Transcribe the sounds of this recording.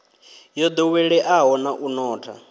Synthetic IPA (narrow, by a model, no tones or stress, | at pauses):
jɔd̪ɔwɛɺɛʔaɦɔnaʔunɔːtʰa